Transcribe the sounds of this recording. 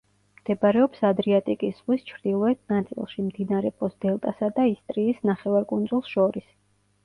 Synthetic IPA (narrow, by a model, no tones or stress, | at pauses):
md̪̥ɛbaɾɛɔpsad̪ɾiat̪ʼikʼisz̥ʁwist͡ʃʰɾd̪̥ilˠɔɛt̪̚ʰnat̪sʼḭlˠʃimd̪inaɾɛpʼɔsd̪ɛlˠt̪ʼasad̪aist̪ʼɾiːsnaχɛvaɾkʼund̪zulˠsʃɔɾis